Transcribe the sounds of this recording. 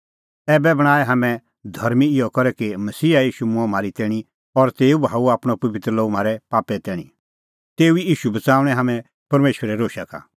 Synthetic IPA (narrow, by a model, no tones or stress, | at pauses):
ɛːbɛbɐɽ̃aːɛɦɐmɛ̃ | d̪ʱɐɾmiɪjɔkɔɾɛkimɐsiːajiːʃumʊ̃ãm̤aːɾit̪ɛːɽ̃i | ɔɾt̪eːubʱaːuaːpɽ̃opɐbɪt̪ɾəloːm̤aːɾɛpaːpɛt̪ɛːɽ̃i | t̪eːuiiːʃubɐt͡saːʊ̃ɽ̃ɛ̃ɦamɛ̃ | pɐɾmeːʃʋəɾɛɾoːʃaka̰ː